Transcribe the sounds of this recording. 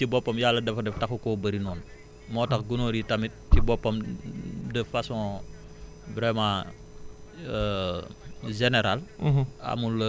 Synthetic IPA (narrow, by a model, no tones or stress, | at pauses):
tibɔpːɐmjalːɐdɛfɐdɛftɐxukɔbɐɾinɔːn | mɔːtɐkɡunoːɾitɐmit̚tibɔpːɐm | dəfasɔ̃ː | vɾɛmãː | ə | ʒeneɾalɐ̰mulə